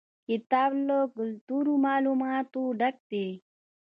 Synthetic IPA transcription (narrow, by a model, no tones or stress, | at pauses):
kit̪aːbloːklt̪uɾumaːlumat̪ũɖək̚t̪e